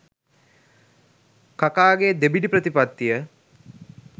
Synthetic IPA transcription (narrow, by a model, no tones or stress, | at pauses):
kakaːɡed̪ebiɖipɾət̪ipat̪ːijə